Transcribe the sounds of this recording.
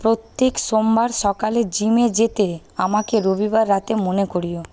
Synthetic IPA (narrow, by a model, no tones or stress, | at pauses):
pɾot̪ːekʃombaɾʃɔkaled͡ʑimed͡ʑet̪e | amakeɾobibaɾːat̪emonekoɾio